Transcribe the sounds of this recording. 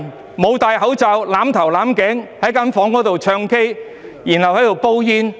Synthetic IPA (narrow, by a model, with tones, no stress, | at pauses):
mo˨˧wt̪aː˨˧jɦɐ˨˥wt͡sa˨˧wlaː˨˥mt̪ʰɐ˨˩wlaː˨˥mkɛ˨˥ŋhɐ˨˥jkaː˥nfɔː˨˥ŋkɔː˨˥t̪o˨wt͡ʃʰœː˧ŋke˥j | jiː˨˩nhɐ˨whɐ˨˥jt̪o˨wpo˥wjiː˧n